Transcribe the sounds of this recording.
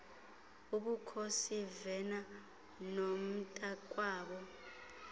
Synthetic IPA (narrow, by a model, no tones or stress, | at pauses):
uɓukʰosivɛna | nom̩tʼakʼwaːɓɔ